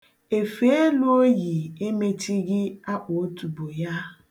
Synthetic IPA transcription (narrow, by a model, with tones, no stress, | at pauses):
e˨fe˨˦e˦lo˦o˦ji˨e˦me˦ti˦ɡɪ˦a˦ʔo˨o˦tu˨bo˨ja˦